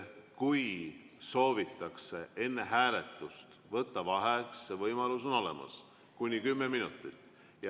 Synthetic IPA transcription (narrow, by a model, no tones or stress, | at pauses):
kuj | so̞ːvit̪ːˑɑkse̞e̞nːe̞ɦæːle̞t̪ːˑust̪ | vɤt̪ːɑvɑɦeksːevɤjmɑlus̬uno̞lḛmɑ̰s | kunʲːikymːeminut̪ːˑit̪ˑː | jɑ